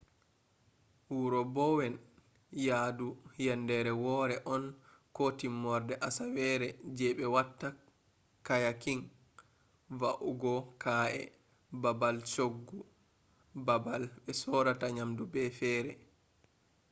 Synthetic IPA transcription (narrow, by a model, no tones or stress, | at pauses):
wuɾɔbɔwɛn | jadujɛndɛɾɛwɔɾɛʔɔn | kotimːɔɾdɛʔasawɛɾɛd͡ʒɛɓɛwatːa | kajakiŋ | vaʔuɡɔkʰaʔɛ̰ | babalt͡ʃoɡːu | babalɓɛsɔɾataɲamdubɛfɛːɾɛ